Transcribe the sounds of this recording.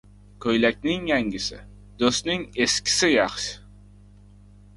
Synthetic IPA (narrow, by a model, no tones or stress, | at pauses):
kʲʰɵjlækʲnɪŋjæŋɡʲɪsɪ̰ | d̪ɵst̪nɪŋeskʲi̥sɪjɑχʃɪ̥